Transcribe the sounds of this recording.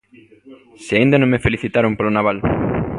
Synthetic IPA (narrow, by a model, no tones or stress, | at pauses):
sɪaĩnd̪anõŋmefeliθit̪aɾompolonaβal